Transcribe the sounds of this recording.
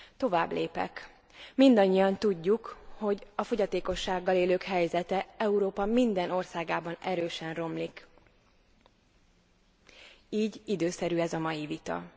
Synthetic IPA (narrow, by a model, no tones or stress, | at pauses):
t̪o̞vaːbleːpɛ̰k | mind̪ɒɲːijɒnt̪uɟːukho̞ɟɒfo̞ɟɒt̪eːko̞ʃːaːɡːɒleːløːkɦɛjzɛt̪ɛɛuɾoːpɒmind̪ɛno̞rsaːɡaːbɒnɛɾøːʃɛnro̞mlik | iːɟid̪øːsɛɾyɛzɒmɒjivit̪ɒ̰